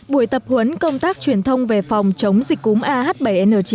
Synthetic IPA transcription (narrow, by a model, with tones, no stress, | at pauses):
ɓu˧˩əjt̪ə˨˩p̚hwə˨˦nkə˧wŋ͡mt̪aː˦˥k̚t͡ɕwi˨˩ənt̪ʰə˧wŋ͡mve˨˩fa˨˩wŋ͡mt͡ɕə˨˦wŋ͡mzi˨˩k̟̚ku˨˦ŋ͡mʔaː˧haː˦˥t̚ɓə˧˩jʔɛ˧nəː˧˩t͡ɕi˨˦